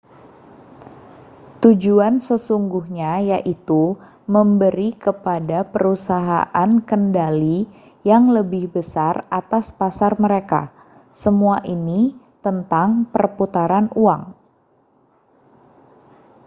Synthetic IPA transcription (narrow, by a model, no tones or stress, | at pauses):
t̪ud͡ʒuansəsuŋɡuhɲajaʔit̪u | məmbəɾikəpadapəɾusaɦa̰ʔankəndali | jaŋləbɪhbəsarat̪aspasarməɾeka̰ | səmuaʔini | t̪ənt̪aŋpərput̪aɾanuaŋ